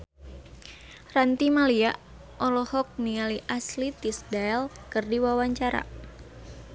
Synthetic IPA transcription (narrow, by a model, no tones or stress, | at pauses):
rant̪imalia | ʔɔlɔhɔk̚nialiʔaslit̪isdaɛlkɨrdiwawaɲt͡ʃaɾa̰